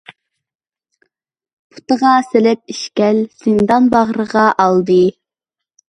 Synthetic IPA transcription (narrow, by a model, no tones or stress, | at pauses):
pʰu̥t̪əʁɑselɪp̚iʃkʲɛlz̥ɪnd̪ɑnbɑʁɾəʁɑʔɑlˠd̪ɨ